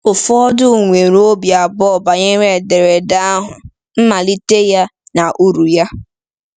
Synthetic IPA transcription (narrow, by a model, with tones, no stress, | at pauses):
ʊ˨fʊ˦ɔ˦dʊ˦˨ŋʷe˨ɾo˦bja˨bɔ˦˨ba˨ɲe˦ɾe˦˨de˨ɾe˨da˦ɦʊ˨ | m̩˦ma˨li˦te˦ja˦na˨ʔu˦ɾu˨ja˦